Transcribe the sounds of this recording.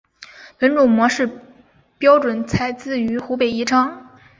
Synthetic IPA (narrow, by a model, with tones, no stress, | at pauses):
pə˧˥nʈ͡ʂu˧˨˩ŋmwɔ˧˥ʂɻ̩˥˩ | pjɑ˥ʊʈ͡ʂwə˨˩nt͡sʰa˧˥ɪt͡sɹ̩˥˩y˧˥xu˧˥pe˨˩ɪi˥˩ʈ͡ʂʰɑ˥ŋ